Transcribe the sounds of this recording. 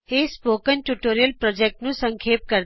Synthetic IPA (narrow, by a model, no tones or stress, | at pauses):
espoːkənʈuʈoːɾijəlpɾɔd͡ʒek̚ʈnũsə̃ŋkʰeːp̚kəɾ